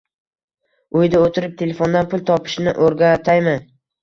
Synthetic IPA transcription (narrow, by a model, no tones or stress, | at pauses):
ʊjd̪aot̪ʰɪɾɪp̚t̪ʰe̞lefo̞nd̪anpʰʊlˠt̪ʰɒpʰɪ̥ʃnɪʔoɾɡʲat̪ʰajmɪn